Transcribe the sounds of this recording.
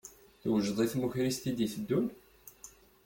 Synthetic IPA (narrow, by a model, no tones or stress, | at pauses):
θwʒðˤiθmuçɾist̪id̪iθəd̪ːun